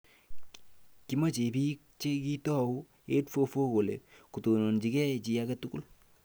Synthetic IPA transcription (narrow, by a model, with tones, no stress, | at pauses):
ki˨˦ma˦t͡ʃe˨pi˦k̚t͡ʃe˦ki˦tɔ˦˨u˦ | e˦tfo˦fo˦ko˨lḛ˨ku˨to˨nɔ˨nt͡ʃi˨kɛ˦˨t͡ʃi˨a˦kɛ˦tuku˦l